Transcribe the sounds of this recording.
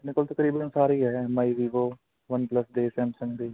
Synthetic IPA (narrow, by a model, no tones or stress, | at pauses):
nɪkəlt̪ɐkɾiːbənsaːɾiɦɛmaiʋiːʋoː | ʋɐnplɐsd̪eːsɛ̃msə̃ŋd̪iː